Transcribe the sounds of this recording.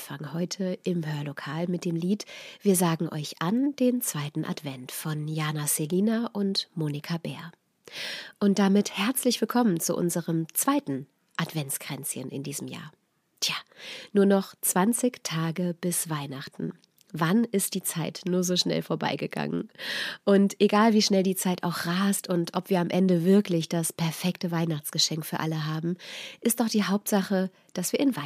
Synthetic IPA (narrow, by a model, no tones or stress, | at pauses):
faŋhɔʏtʰəʔɪmɦøːɐlokʰaːlmɪt̚d̥eːmliːtv̥iːɐzaːɡŋ̩ʔɔ̰ʏçʔand̥eːnt͡sv̥aɪtn̩ʔa̰tv̥ɛntfɔnjaːnaseliːnaʔʊntmoːnɪkʰabɛːɐ | ʔʊnt̚d̥amɪthɛɐt͡slɪçv̥ɪlkʰɔmənt͡sṵʔʊ̰nzəʁəmt͡sv̥aɪtn̩ | ʔatv̥ɛnt͡sɡ̥ʁ̥ɛnt͡sjə̰nʔɪ̰ndiːzəm̩ja̰ːɐ | tʰjaːnuːɐnɔχt͡sv̥ant͡sɪçtʰaːɡəb̥ɪsv̥aɪnaχtn̩ | vanɪst̚d̥iːt͡saɪtnuːɐzoːʃnɛ̰lfoːɐba̰ɪɡəɡa̰ŋə̰nʔʊntʔeɡaːlviːʃnɛldiːt͡saɪtaʊxʁaːstʊntʔɔpv̥iːɐamʔɛndəvɪɐklɪçd̥aspʰɛɐfɛktəvaɪnaχt͡sɡ̥əʃɛŋkfyːɐʔaləɦaːbm̩ʔɪstd̥ɔχd̥iːɦaʊp̚tz̥aχə | d̥asv̥iːɐɪnv